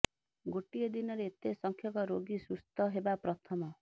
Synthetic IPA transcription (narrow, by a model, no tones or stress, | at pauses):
ɡoʈiɔd̪inɔɾeːt̪esɔŋkʰjɔkɔɾoɡisust̪ɔɦebapɾɔt̪ʰɔmɔ